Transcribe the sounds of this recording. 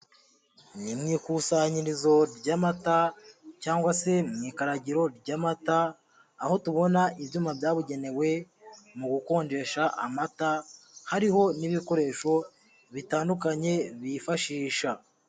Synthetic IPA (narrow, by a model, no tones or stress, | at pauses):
nimŋiːkusaɲiɾizo̞ɾɟamatacaːŋɡwase̞mŋikaɾaɟiɾo̞ɾɟamataː | ho̞tuβo̞naiβjuːmabjaːβuɟe̞ne̞we̞ | muɡuko̞ːɲd͡ʒe̞ʃaʔa̰mata | haɾiho̞niβiko̞ɾe̞ːʃo̞ | βitaːndukaɲe̞βifaʃiːʃa